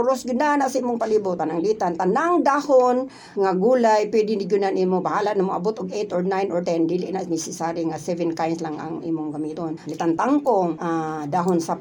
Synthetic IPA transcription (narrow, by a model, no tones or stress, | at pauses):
ʊɾosɡɪdnanaʔsaʔimʊŋpalibʊt̪anaŋdit̪ant̪anaŋdahon | ŋaɡuːlajpwɛdɪnɪɡʊnanʔiːmobaɦalanamoʔabʊt̪ʊɡejt̪oɹnajnʔoɹt̪ɛnd̪iːlɪʔnaʔnɛsɪsaɾiŋasɛvɛnkajnslaŋa̰ŋḭːmʊŋɡamit̪onlit̪ant̪aŋkoŋad̪aɦʊnsa